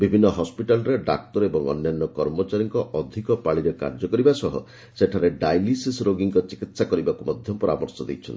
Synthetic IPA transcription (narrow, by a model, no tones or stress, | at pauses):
bibʱinːɔɦɔspiʈalɔɾeɖa̰k̚t̪ɔɾebɔŋɔ̰nːjanːɔkɔɾmɔt͡ʃaɾiŋkɔʔɔd̪ʱikɔpaɭiɾeka̰ɾd͡ʒɔkɔɾibasɔɦɔ̰ | seʈʰaɾeɖajlisisɾoɡiŋkɔt͡ʃikit̪sakɔɾibakumɔd̪ʱjɔpɔɾa̰mɔɾsɔd̪ejt͡ʃʰɔ̰nt̪i